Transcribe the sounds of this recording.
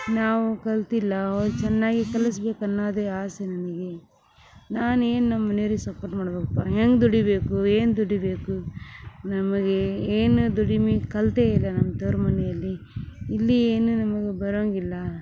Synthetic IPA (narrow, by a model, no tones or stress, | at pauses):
naːʋukɐlt̪ilːɐodt͡ʃɛnːaːɡikɐlɐs̬be̞ːkɐnːaːd̪eaːsenɐnɐɡe̞ | naːnue̞ːnunɐmːɐneːɾisɐpoːɾʈmaːɽɐbekɐpːa̰ːeːŋɡd̪uɽibe̞ːkueːnd̪uɽibe̞ːku | nɐmɐɡeeːnud̪uɽimikɐlt̪eːilːɐnɐmːɐt̪ɐɾmɐnɛjɐlːiːlːieːnunɐmɐɡebɐɾoːŋɡilːɐ